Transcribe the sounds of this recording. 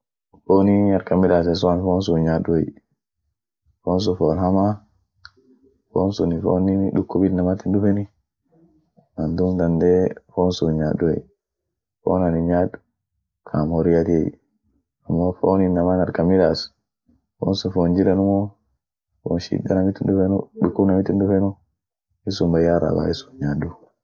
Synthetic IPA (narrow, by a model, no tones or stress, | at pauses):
foniaɾkamidas̬es̬ɔanfonsuɲaɗuɛj | fons̬ufolhama | fo̰nsunifo̰ninɗukːubilnamat̪indufɛni | nand̪umd̪and̪ɛfonsuɲaduɛ̰ | fo̰naniɲadu̥ | kʰamoɾijat̪iei | amːofoninːamanaɾkamilas | fo̰nsufond͡ʒiɾanumo | fo̰nʃḭdːanamit̪indufenṵɗukːunamit̪indufɛnu | isumbajaɾa̰ba̰isu̥ɲaɗu